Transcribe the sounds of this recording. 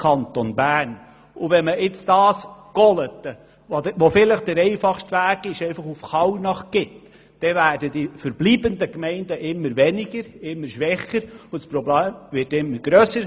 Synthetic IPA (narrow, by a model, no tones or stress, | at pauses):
kʰɑnt̪onbæːn | uʋɛməɪt͡sd̥ɑːsɡ̥ɔlət̪ə | oʋofɪləχd̥̪əɾɛɪfɑχʃtʋæːɡ̥ɪʃɛɪfɑχufχɑwnɑχɡ̥ɪt | d̥ɛvæːɾd̥əd̥ifəɾbliːbəndəkmɛɪndəʔɪmːəɾʋɛnɪɡ̥əɾɪmːəɾʃʋɛχəɾʊspɾɔbleːmvɪtɪmːəɾɡ̥ɾøːsəɾ